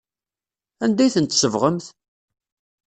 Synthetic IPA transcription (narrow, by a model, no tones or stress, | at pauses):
ænd̪æjθənt̪səvʁəmθ